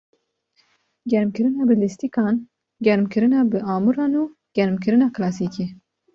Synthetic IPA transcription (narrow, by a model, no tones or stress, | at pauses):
ɡɛɾmkɨɾɨnɑːbɨlist̪ikɑːn | ɡɛɾmkʰɨɾɨnɑːbɨɑːmuɾɑːnu | ɡ̥ʲɛɾmkʰɨɾɨnɑːklɑːsiːkeː